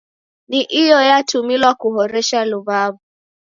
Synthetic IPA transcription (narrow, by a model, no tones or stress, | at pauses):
niʔijɔjatumilwakuɦɔɾɛʃaluβaβu